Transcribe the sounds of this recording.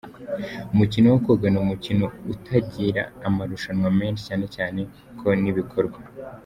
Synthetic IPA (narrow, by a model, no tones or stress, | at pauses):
umucinowokoɡanuumucinoutʰaɟiɾa̰ːmaɾuʃanwame̞ːnʃi̥caːne̞caːne̞ | kʰo̞niβikʰoɾɡwa